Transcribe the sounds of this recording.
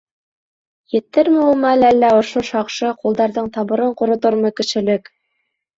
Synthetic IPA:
jɘ̆t̪ːɘɾmɘ̆ulˠmɑælælːæŏʃoʃɑqʃɤqulˠd̪ɑɾðɤɴt̪ɑβɤ̆ɾɤɴqŏɾŏt̪oɾmɤkɘ̆ʃɘ̆lɘk

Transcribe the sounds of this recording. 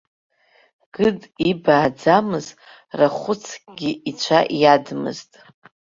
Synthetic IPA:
ɡ̥ɨdibaːd͡zamɨz | raχʷʊt͡sʰɡ̥ʲiʔit͡ʃʷʰaʔjadmɨ̰ztʼ

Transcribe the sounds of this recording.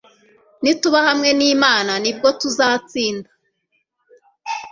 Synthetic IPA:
nituβahamŋe̞niːmaːnanib̚ɡo̞tuzaːt͡siːnda

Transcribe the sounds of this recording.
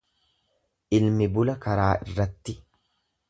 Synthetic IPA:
ʔɪlmɪbʊlɐkɐɾaːʔɪrːɐt̪ːɪ

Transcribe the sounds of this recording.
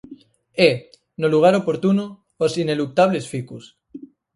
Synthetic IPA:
e | noluɣ̞aɾopo̞ɾt̪uno | osine̞lup̚t̪aβle̞sfikus

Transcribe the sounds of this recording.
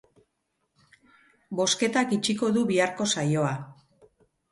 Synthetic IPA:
bo̞ske̞t̪akit͡ʃiko̞ðuβiaɾko̞sajo̞a

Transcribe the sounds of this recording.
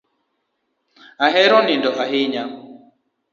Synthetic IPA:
aɦɛɾɔnindɔʔaɦɪɲa

